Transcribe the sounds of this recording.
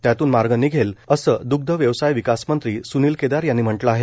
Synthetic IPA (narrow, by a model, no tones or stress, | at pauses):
t̪jat̪uːnmaɾɡənːiːɡʱeləsəːd̪uɡ̚d̪ʱəʋjəʋsajʋikasmənt̪ɾiːsuniːlked̪aɾjanːiːm̤əɳʈlaaɦe